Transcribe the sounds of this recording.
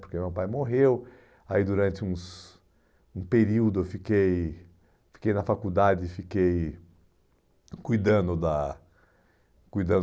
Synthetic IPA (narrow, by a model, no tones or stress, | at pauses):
poɾkemewpajmoɦew | aid̪uɾɐ̃nt͡ʃɪũs | ũpeɾiwd̪ʊwfikej | fi̥kejnɐfakud̪ad͡ʒɪfikej | kujd̪ɐ̃nd̪ʊd̪ɐ | kujd̪ɐ̃nd̪